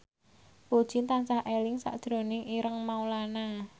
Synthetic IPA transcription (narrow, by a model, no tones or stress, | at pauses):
pod̥ʒ̥int̪ansahʔelɪŋsa̰ʔd̥ʒ̥ɾo̤nɪŋiɾəŋmaulana